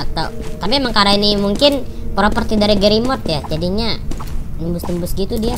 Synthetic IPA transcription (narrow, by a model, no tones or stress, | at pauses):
at̪at̪apimaŋkaɾainimuŋkɪnpɾopərt̪idaɾiɡəɾimɔt̪jad͡ʒadiɲanəmbʊst̪əmbʊsɡit̪udia